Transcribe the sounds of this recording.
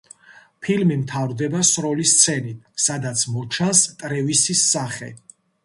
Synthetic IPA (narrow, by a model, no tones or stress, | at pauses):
pʰilmimt̪ʰavɾd̪ɛbasɾɔlist̪sʰɛnit̪̚ʰsad̪at̪sʰmɔt͡ʃʰanst̪ʼɾɛvisisːaχɛ̰